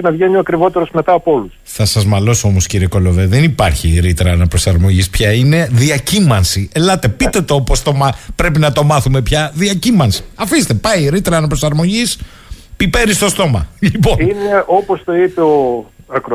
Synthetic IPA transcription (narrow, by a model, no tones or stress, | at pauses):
nɐvʝeɲioɐkɾivo̞t̪eɾo̞zme̞t̪ɐːpo̞lusθɐsɐzmɐlo̞so̞mo̞sciɾieko̞lo̞veðenipɐɾçiɾit̪ɾɐnɐpɾo̞sɐɾmo̞ʝispçɐine̞ðiɐcimɐnsielɐt̪e̞pit̪e̞t̪opost̪o̞mɐpɾe̞pinɐt̪o̞mɐθume̞pçɐðiɐcimɐnsi̥ɐfist̪epɐjiɾit̪ɾɐːnɐpɾosɐɾmo̞ʝis | pipeɾist̪o̞st̪o̞mɐ̰liponineo̞post̪o̞ipe̞oɐkɾo